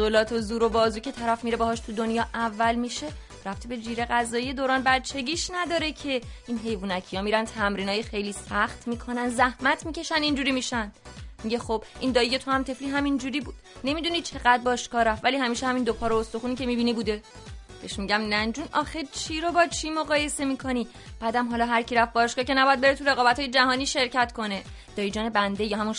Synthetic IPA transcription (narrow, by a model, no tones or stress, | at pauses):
zolɒːt̪ʰozuːɾobɒːzuːcʰe̞t̪ʰæɾæfmiɾebɒhɒːʃt̪ʰud̪onjɒːʔævːælmiʃe̞ | ɾæft̪ʰibe̞d͡ʒiːɾe̞ɣæzɒːjije̞d̪oːɾɒːnbæɾt͡ʃʰe̞ɟiːʃnæd̪ɒːɾe̞cʰe̞iːnɦe̞jvuːnæcʰijɒːmiːɾænt̪ʰæmɾiːnɒːjexe̞jliːsæxt̪miːkʰo̞nænzæhmæt̪ʰmice̞ʃænd̪ind͡ʒuːɾimiʃænd̪miɟe̞xobʔind̪ɒːije̞t̪ʰohæmt̪ʰe̞fliɦæmind͡ʒuːɾiːbuːd̪̥ne̞mid̪unit͡ʃʰe̞ɣæd̪̚bɒːʃkɒːɾæfvæliːɦæmiːʃehæmind̪opʰɒːɾoost̪oxuːniːcʰe̞mibiniːbud̪e̞ | b̥e̞̰ʃmiɟæmnænd͡ʒuːnɒxet͡ʃʰiɾobɒːt͡ʃʰimo̞ɣɒːje̞semiːkʰo̞ni | b̥æd̪æmɦɒːlɒːɦæɾcʰiɾæfbɒːʃkɒːce̞næbɒjæd̪be̞ɾet̪ʰuɾe̞ɣɒːbæt̪ʰɒːjed͡ʒæhɒːniːʃe̞ɾcʰæt̪kʰo̞ne̞ | d̪̥ɒːjid͡ʒɒːnebænd̪e̞jɒːhæmun